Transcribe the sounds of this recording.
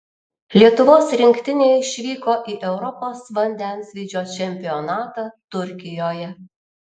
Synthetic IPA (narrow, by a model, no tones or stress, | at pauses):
lʲiɛt̪ʊʋoːsɾʲɪŋʲkʲt̪ʲɪnʲeːɪʃʲʋʲiːkoːʔiːʔɛʊɾɔpoːsʋɐnʲd̪ʲɛnsʲʋʲiːd͡ʒʲoːt͡ʃʲɛmʲpʲɪɔnɑːt̪ɑt̪ʊɾʲkʲɪjoːjɛ